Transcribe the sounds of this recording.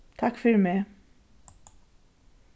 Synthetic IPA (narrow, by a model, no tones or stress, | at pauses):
t̪ʰɑkfœɾmeː